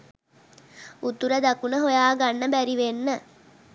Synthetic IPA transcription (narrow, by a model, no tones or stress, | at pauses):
ut̪uɾəd̪akunəɦojaːɡanːəbæɾiʋenːə